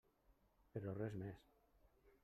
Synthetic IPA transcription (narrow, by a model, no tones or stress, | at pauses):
peɾorezmes